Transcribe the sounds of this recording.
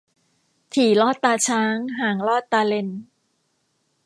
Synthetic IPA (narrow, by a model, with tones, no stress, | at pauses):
t̪ʰiː˨˩˦lɔː˥˩t̪ːaː˧t͡ɕʰaː˦˥ŋɦaː˨˩ŋlɔː˥˩t̪ːaː˧le˧n